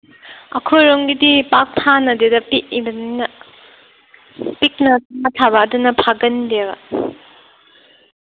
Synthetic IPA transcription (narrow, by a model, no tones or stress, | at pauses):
ɐkʰojɾoŋɡidipak̚pʰanɐdedɐpiʔb | pik̚nɐtʰaatʰabadunɐpʰaɡɐndeɡɐ